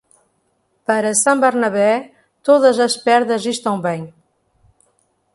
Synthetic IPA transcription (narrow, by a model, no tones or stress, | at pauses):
pəɾəsãmbəɾnɐβɛ | t̪oðəzəspɛɾðəzist̪ãw̃bɛɲ